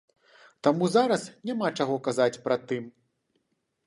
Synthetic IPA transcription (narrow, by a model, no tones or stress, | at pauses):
t̪amuzaɾɐsnʲamat͡ʂaɣɔkazat͡sʲpɾat̪ːɨm